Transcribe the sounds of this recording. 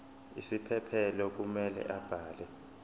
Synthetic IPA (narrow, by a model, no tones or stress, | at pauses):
ḭsipʰɛpʰɛlɔk̬umɛlɛ̰ʔab̥ʱaːlɛ